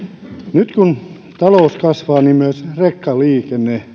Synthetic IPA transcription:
nyt̪kun | t̪ɑloˑuskɑsʋɑːnimyøsrekːɑliːkenːˑeː

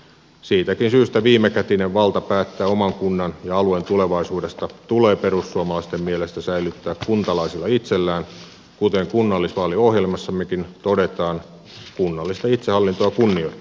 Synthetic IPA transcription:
siːt̪ækinsyːst̪æʋiːmekæt̪ineʋʋɑlt̪ɑpæːt̪ːæːomɑŋkunːɑnjɑɑluent̪uleʋɑisuːdest̪ɑt̪uleːpeɾusːuɑmɑlɑist̪emmielest̪æsæilyt̪ːæːkkunt̪ɑlɑisilːˑɑit̪selːæːn | kut̪eŋkunːɑlːisʋɑːliohjelmɑsːɑmːekint̪odet̪ɑːn | kunːɑlːist̪ɑit̪sehɑlːint̪oɑkunːiot̪

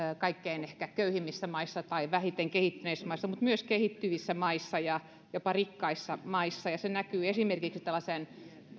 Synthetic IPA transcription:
kɑikːeinehkækøyhimːisːæmɑisːɑt̪ɑiʋæhit̪eŋkehit̪ːyneismɑisːɑmut̪myøskehit̪ːyʋisːæmɑisːɑjɑ | jopɑrikːɑisːɑmɑisːɑjɑsenækyːesimerkiksit̪ælːɑsen

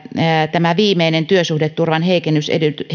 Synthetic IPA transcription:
t̪æmæʋiːmeinent̪yøsuhdet̪t̪urʋɑnheikenːysḛdyt̪y

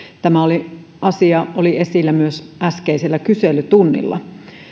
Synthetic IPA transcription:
t̪æmæoli | ɑsiɑolie̞silːæmyøsʔæskeiselːækyselyt̪unːḭlːɑ̰

